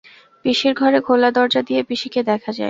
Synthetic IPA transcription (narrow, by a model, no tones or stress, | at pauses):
piʃiɾɡʱɔɾekʰolad̪ɔɾd͡ʑad̪ijepiʃiked̪ɛkʰad͡ʑa̰e